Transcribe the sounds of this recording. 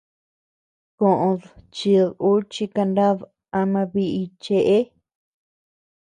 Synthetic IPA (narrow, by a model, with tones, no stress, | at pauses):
kõ˨ʔõ˧ðt͡ʃi˧ðu˦t͡ʃi˧ka˧nd̪a˦ð | a˧mã˧βi˧ʔi˧t͡ʃe˧ʔe˦